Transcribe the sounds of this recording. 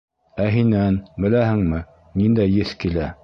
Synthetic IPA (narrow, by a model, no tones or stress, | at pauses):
æɦinænbɘ̆læhɘ̆ŋmɘ | nind̪æjːɘθkilæ